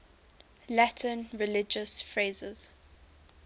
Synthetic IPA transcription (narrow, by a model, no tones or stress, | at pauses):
latʰə̃nɹɪlɪd͡ʒəsfɹeːzɪz̥